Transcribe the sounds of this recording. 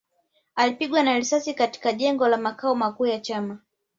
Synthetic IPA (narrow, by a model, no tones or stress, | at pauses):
alipiɠwanaɾisasikati̥kaʄɛŋɡɔlamakaɔmakuːjat͡ʃama